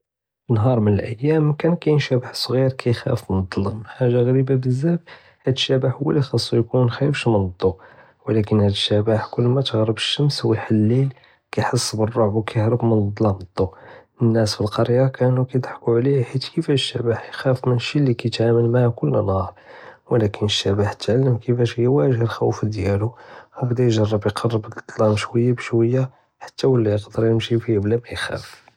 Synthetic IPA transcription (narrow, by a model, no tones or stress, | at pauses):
ənɦɑɾˤmənəlʔəjːæmkænkæjənʃæbaħsˤɣiɾkʰæjxæ̰fmənd̪ˤːɑlɑməħaʒːaɣæɾibabəzːæb | hæd̪əʃːæbaħhʊwːæ̰lixɑsˤːujkunxæjəfʃmənd̪ˤːu | wəlækənhæd̪əʃːæbaħkʊlːmæt̪əɣɾəbəʃːəmswəjħalːil | kæjħəsˤːbərˤːoʕbwkæjəhɾəbmənd̪ˤlɑnəd̪ˤːu | ənːæsfilqɑɾjakænukæjd̪ˤħkuʕliħit̪kəfæʃːæbaħjxæfmənəʃːilːikæjt̪ʕaməlmaʕakʊlːənɑɾˤwəlækənəʃːæbaħt̪ʕalːəmkəfæʃhəjːæwæʒhəlxæwfd̪jæluwbd̪æjʒɑrˤːəbjqʰɑrˤːəb̪d̪ˤlɑmʃwəjːabʃwəjːa | ħḁt̪ːæwəlːijəqd̪əɾjəmʃifiblæmæjxæ̰f